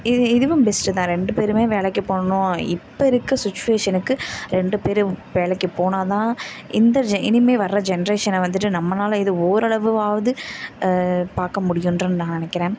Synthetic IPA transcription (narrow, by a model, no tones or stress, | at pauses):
ɪɪðɯʋɯmbɛsʈɯt̪ãːɾɛɳɖɯpeːɾɯmeːʋeːɭɐkːɯpoːɳɐnʊ̃ɪpːɐɪɾɯkːɐsɪt͡ʃːʊʋeːʂɐnɯkːɯɾɛɳɖɯpeːɾɯʋeːɭɛkːipoːnaːt̪ãː | ʔɪnd̪ɐd͡ʒɪnɪmeːʋɐɾːɐd͡ʒɛnɐɾeːʂɐnʋɐnd̪ɯʈːɯnɐmːɐnaːlɐɪðɯoːɾɐɭɐʋɯʋaːʋɐðɯ | paːɾkɐmʊɽɪjɯndɾɐnɯnãːɐnɪnɛkːɪɾẽː